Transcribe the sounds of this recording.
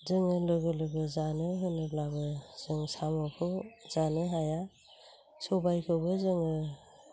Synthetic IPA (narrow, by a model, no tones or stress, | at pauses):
zɯŋɯlɯɡɯlɯɡɯzanɯɦɯnɯblabɯz̥ɯŋsamɔpʰɯzanɯɦaja | sobajkʰɯbɯzɯŋɯ